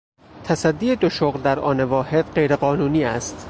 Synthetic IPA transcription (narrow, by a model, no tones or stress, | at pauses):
t̪ʰæsæd̪ːiːe̞d̪oʃoɣld̪æɾɒːnevɒːhe̞d̪̥ɢe̞jɾe̞ɢɒːnuːniːæst̪